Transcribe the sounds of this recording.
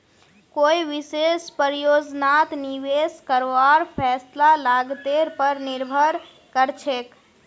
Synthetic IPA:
koiʋisespəɾijod͡ʒnat̪niʋeskəɾʋaɾpʰɛslalaɡt̪eɾpəɾniɾbʱəɾ | kəɾt͡ʃʰek

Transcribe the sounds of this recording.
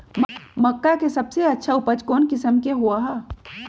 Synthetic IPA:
mməkːakesəbseɐtːʃʰaupəd͡ʒkoːnkɪsəmkeɦoaɦɛ

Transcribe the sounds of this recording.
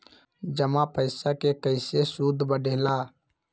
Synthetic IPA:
d͡ʒəmãpəɪsakekəɪsesud̪ʱbəɖʱeːla

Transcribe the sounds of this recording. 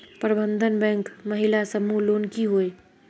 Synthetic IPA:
pəɾbə̃nd̪ʱənbɛ̃ːŋkmɐɦɪlasɐmuloːnkiɦoːe

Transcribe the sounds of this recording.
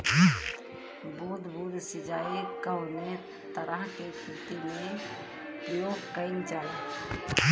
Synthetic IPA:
buːd̪buːɾsɪd͡ʒaːikəwne | t̪əɾəɦkekɾɪt̪imẽ | pjoːɡkəɪnd͡ʒaːe

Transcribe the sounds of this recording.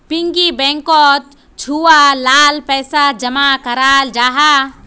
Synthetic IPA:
piŋɡibɛ̃ŋkɔt̪ | t͡ʃʰualaːlpɛːsad͡ʒɐmakəɾaːld͡ʒaːɦa

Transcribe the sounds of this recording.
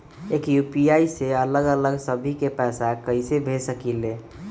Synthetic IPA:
ekjupiaiseələɡələɡsəbʱikepɛsakəɪsebʱesəkile

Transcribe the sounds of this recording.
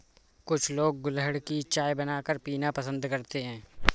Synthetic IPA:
kʊt͡ʃʰloːɡ̚ːʊlɦəɽkit͡ʃaːjbənaːkəɾpiːnapəsə̃nd̪kəɾt̪eɦɛ̃ː

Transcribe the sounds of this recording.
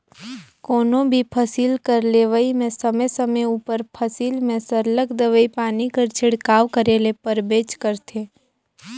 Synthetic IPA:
koːnõbʱipʰəsiːlkəɾleːʋəimẽsəməsəməuːpəɾpʰɐsiːlmẽsəɾləkd̪əʋəipaːnikəɾt͡ʃʰɪɽkaːʋkəɾeːlepəɾbeːt͡ʃkəɾt̪ʰeː

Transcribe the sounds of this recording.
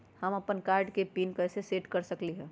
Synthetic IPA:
həməpənkaːɾɖkepiːnkəɦseseʈkəɾsəkliɦɛ̃

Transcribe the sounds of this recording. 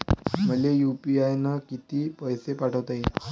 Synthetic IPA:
m̤əlejupiajnəkit̪iːpəjsepaʈʰəʋt̪ai

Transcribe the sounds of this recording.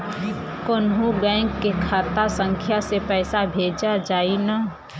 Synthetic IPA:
konɦũɡãɪ̃ŋɡkːekʰaːt̪asə̃ŋkʰjasepɛːsabʱeːd͡ʒad͡ʒaːina

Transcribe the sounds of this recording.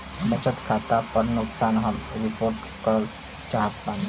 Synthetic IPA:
bət͡ʃət̪kʰat̪apəɾnuksaːnɦəmɾipoɾʈ | kəɾəl | t͡ʃaɦət̪bãnd̪

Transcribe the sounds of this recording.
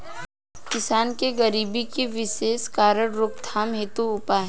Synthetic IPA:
kɪsaːnkeɡəɾiːbikeʋɪʃeːskaːɾəɽɾʊk̚t̪ʰaːmɦet̪uʊpaːɦɛ

